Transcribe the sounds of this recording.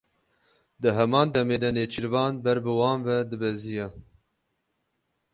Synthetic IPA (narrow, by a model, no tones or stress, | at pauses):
d̪ɨɦɛmɑːnd̪ɛmeːd̪ɐneːt͡ʃʰiɾvɑːnbɛɾbɨwɑːnvɛd̪ɨbɛzijɛ